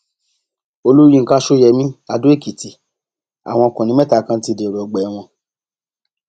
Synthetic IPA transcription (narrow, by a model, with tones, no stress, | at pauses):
o˧lu˦ɾĩ˦˧ŋ̩˦ka˦ʃo˦jɛ˧mĩ˦a˧do˦e˦˨ki˨ti˧ | a̰˨w̃ɔ̃˧ɔ˧kũ˨nĩ˨˦mɛ˦ta˧˦kã˦ti˧˦˨de˨ɾɔ˨ɡ͡bɛ˨˦w̃ɔ̃˧